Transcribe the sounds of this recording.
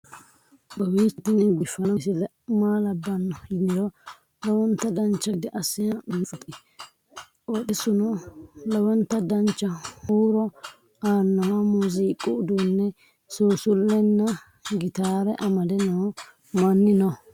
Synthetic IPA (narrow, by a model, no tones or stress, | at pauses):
bɐwiːt̪ːɪnɛɡɪfːɐnɐsɪl | maːlɐbːɐnːɔhɪd̪ɪɾɔ | lɔwɔnt̪ːɐd̪ɐnt͡ʃːɐd̪ɪʔɐsɪjɐnt͡sʊt̪ʼːɪ | ʔɔɗɪsʊnɔlɔwɔnt̪ːɐd̪ɐnt͡ʃːɐhuːɾɔ | aːɾnːɐwamuziːkʼːʊʊd̪unːɛ | suːsʊlːɛnːɐ | ɡɪt̪aːɾɛʔɐmɐd̪ɛnɔ | mɐnːɪnɔ